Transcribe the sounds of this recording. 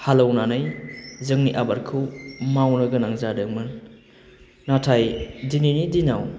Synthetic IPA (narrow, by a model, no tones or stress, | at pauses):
halawnanajzɯŋniʔabaɾkʰɯwmawnɐɡɐnaŋzadɯŋmɯn | atʰajdininidinaw